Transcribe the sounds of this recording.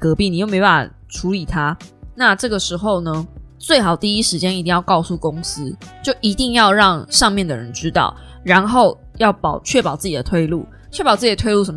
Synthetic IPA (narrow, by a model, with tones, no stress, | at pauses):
kɤ˧˥pi˥˩ni˨˩o˥˩me˧˥pa˥˩a̰˨˩ | ʈ͡ʂʰu˧˥li˨˩t̪ʰa˦na˥˨ʈ͡ʂɤ˥˩ɡə˩ʂɻ̩˧˥xo˥˩ʊnə˦t͡swe˥ɪxɑ˨˩ʊt̪i˥˩i˦˥ʂɻ̩˧˥t͡ɕjɛ˥ni˧t̪i˥˧jɑ˥˧kɑ˥˧ʊsu˥˩ko˦ŋsɹ̩˥˦t͡ɕjo˥˩ʊʔi˧˥t̪i˥˧ŋjɑ˥˧ʊɻɑ˥˧ŋʂɑ˥˧ŋmjɛ˥˩nd̪ə˨˩ɻə˧˦nʈ͡ʂɻ̩˥t̪ɑ̰˥˩ʊ | ɻa˧˦˥nxo˥˨˩ʊ | jɑ˥˩ʊpɑ˨˩ʊt͡ɕʰɥɛ˥˩pɑ˨˩ʊt͡sɹ̩˥˩t͡ɕi˨˩ə˦t̪ʰwe˥˧ɪlu˥˩ | t͡ɕʰɥɛ˥˩pɑ˨ʊt͡sɹ̩˥˩i˨˩ə˩t̪ʰwe˥˧ɪlu˥˩ʂə˧˦m